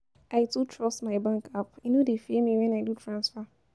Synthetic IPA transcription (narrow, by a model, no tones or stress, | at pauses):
ʔaɪtutʰɹɔstmaɪbãŋkapanodefemiwɛ̃naɪdutʰɹãnsfa